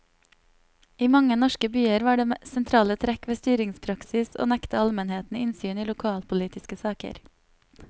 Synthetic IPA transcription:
iːmɑŋənɔʃkəbyːəɾʋɑːɖeːsɛnt̪ʰɾɑːlət̪ʰɾɛkʋeːst̪yːɾɪŋspʰɾɑksɪso̰ːnɛkt̪əɑlmənheːt̪n̩ɪnsyːniːlʊkʰɑːlpʊliːt̪ɪskəsɑːkə̰ɾ

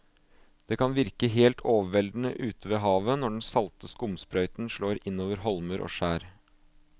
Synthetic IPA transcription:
d̪̥eːkʰɑnʋɪɾkəɦeːlt̪ʰoːʋəʋɛld̪n̩ə̰ʔʉːt̪əʋeːɦɑːʋənɔɖɛnsɑlt̪əskʊmspɾœʏt̪n̩ʂɭoːɾɪnːoːʋəɾɦɔlməɾʔo̰ːʂæːɾ

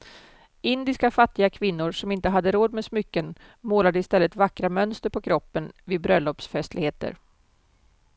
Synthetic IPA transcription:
ɪnd̪ɪskafat̪ːɪɡakʰvɪnːʊɾʂɔmɪnt̪əɦad̪ːəɾoːd̪mɛsmʏkːən | moːlad̪əɪst̪ɛlːət̪vakːɾamœnst̪əɾpʰɔkʰɾɔpːənvɪd̪̚bɾœlːɔpsfɛst̪ʰlɪɡheːt̪ə̰ɾ

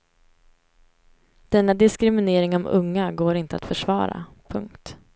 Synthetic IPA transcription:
d̪̥ɛnːad̪ɪskɾɪmɪneːɾɪŋɔmɵ̰ŋːaɡoːɾɪnt̪əa̰t̪fœʂvɑ̰ːɾa̰ | pʰɵ̰ŋkt̪

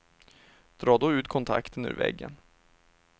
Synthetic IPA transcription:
d̪̥ɾɑːd̪ɔʉ̟ːt̪kʰɔnt̪ʰa̰kt̪ənʉ̰ɾvɛ̰ɡːən

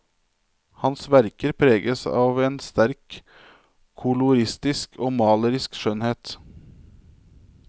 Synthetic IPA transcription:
hɑnsʋæɾkəɾpʰɾeːɡəsɑ̰ːʋeːnst̪æɾk | kʰʊlʊɾɪst̪ɪskʰoːmɑːləɾɪskʃœnheːt̪

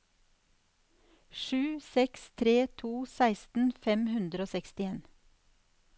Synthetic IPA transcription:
ʃʉːsɛkst̪ʰɾeːt̪ʰuːsæɪst̪n̩fɛmhʉnd̪ɾoːsɛkst̪ɪeːn

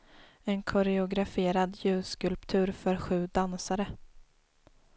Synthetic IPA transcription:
ɛnkʰɔɾɛʊɡɾafeːɾad̪jʉ̟ːskɵlpt̪ʰʉ̟ːɾfœɾɧʉ̟ːd̪ansaɾə

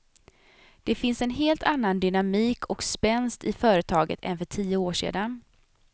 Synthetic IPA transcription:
d̪̥ɛfɪnsɛnɦeːlt̪ʰanːand̪ʏnamiːkʰɔkspɛnst̪ɪfœːɾət̪ʰɑːɡə̰t̪ʰɛ̰nfœʈʰiːʊoːʂḛːd̪an

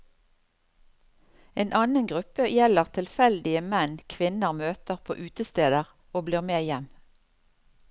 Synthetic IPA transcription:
eːnʔɑːnənɡʁʉpəjɛləʁt̪ʰɪlfɛld̪ɪəmɛnkʰʋɪnəʁmøːt̪əʁpʰo̰ːʔʉːt̪əst̪eːd̪əʁ | oːbliːʁmeːjɛm

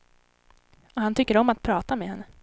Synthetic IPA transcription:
ɔɦhant̪ʰʏkːəɾɔmːat̪̚pʰɾɑːt̪amɛhɛnːə

